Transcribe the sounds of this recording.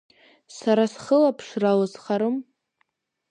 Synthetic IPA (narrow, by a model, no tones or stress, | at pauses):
saɾasχəlapʰʂralazχaɾom